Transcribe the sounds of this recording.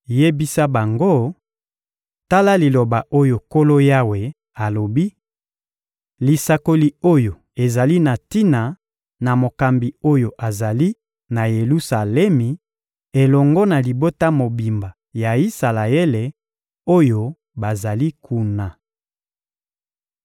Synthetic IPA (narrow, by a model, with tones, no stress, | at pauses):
je˦bi˦sa˦ba˨ŋɡo˦ | ta˦la˦li˨lo˨ba˨ʔo˦jo˨ko˦lo˦ja˦we˨ | a˨lo˨bi˦ | li˨sa˨ko˨li˨o˦jo˨ | e˨za˨li˦na˨ti˦na˨ | na˨mo˨ka˨mbi˨o˦jo˨ʔa˨za˨li˦ | na˨je˨lu˦sa˨lɛ˦mi˨ | e˨lɔ˨ŋɡɔ˦na˨li˨bo˦ta˦mo˨bi˨mba˨ja˨i˦sa˨la˨e˦le˨ | o˦jo˦ | ba˨za˨li˦kʰu˦na˨